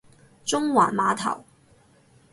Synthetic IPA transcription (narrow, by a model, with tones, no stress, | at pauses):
t͡sʊ˥ŋwaː˨˩nmaː˨˧t̪ʰɐ̰˨˩w